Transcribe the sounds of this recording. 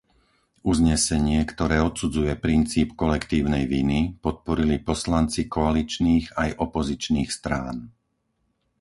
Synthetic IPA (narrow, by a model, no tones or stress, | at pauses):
uzɲɛsɛɲɪɛkt̪ɔɾɛːɔt̪sud͡zujɛpɾint͡siːpkɔlɛkt̪iːʊnɛjʋinipɔt̪̚pɔɾilipɔslant͡sikɔalit͡ʃniːɣajʔɔpɔzit͡ʃniːxst̪ɾaːn